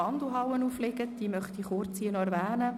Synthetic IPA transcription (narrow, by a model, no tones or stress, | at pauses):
ɑnd̪uɦɑwənuːflɪɡət̚d̥iəmœχt̪iχʊɾt͡siənɔɛɾʋæːnə